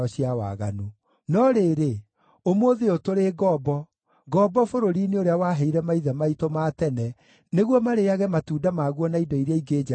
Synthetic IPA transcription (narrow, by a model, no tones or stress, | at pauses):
ɔɕiawa̰ɣano | nɔɾeɾe | omoðeotoɾeɡɔbɔ | ɡɔbɔfoɾoɾineoɾeawaːɦɛiɾɛmaiðɛmaitomaːtɛnɛ | neɣwɔmaɾeaɣɛmatuːdamaɣwɔnaidɔiɾeaiɡed͡ʒa